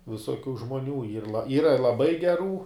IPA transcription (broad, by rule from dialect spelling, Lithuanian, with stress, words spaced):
ʋʲɪsoːˈkʲuː ʒmoːˈnʲuː iːr lˠɐ ˈiːrɐ lˠɐˈbɐɪ ɡʲɛˈruː